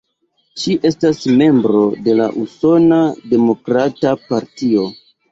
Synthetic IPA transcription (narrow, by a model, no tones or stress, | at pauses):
ʃiʔe̞stasme̞mbɾo̞de̞la̰ʔuso̞nade̞mo̞kɾatapaɾtio̞